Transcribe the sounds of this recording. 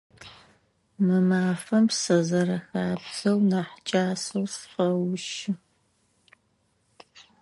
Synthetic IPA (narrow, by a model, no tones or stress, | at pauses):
mɨmaːfɐmsɐzɐrɐxaːpsɐwnaħt͡ʃʼaːsɐwsqɐwʃɪ